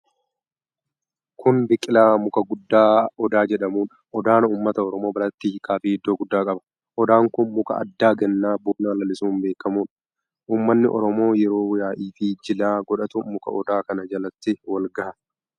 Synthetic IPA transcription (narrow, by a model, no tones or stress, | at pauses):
kʊnbɪkʼːɪlaːmʊkɐɡʊd̪ːaːɔd̪aːd͡ʒɛᶑɐmuːᶑɐ̥ʔɔd̪aːnɐuːmːɐt̪ɐɔɾɔmo̞ːbɐlɐt̪ːiːkaːfiːɪd̪ːoːɡʊd̪ːaːkʼɐbɐ̥ | ʔɔd̪aːŋkʊnmʊkɐ̰ʔɐ̰d̪ːaːɡɛnːaːbuːnaːlɐlɪsuːmbe̞ːkːɐmuːᶑɐ̥ | ʔuːmːɐnːɪʔɔ̰ɾɔmo̞ːjɛɾo̞ːwjaːʔiːfɪd͡ʒɪlaːɡɔᶑɐt̪ʊmʊkɐ̰ʔɔd̪aːkɐnɐd͡ʒɐlɐt̪ːɪwɐlɡɐhɐ